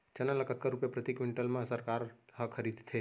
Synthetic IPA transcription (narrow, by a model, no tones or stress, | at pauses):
t͡ʃənaləkət̪̚kəɾupjapɾət̪ikʋɪɳʈəlmãsəɾkaɾɦəkʰəɾid̪t̪ʰe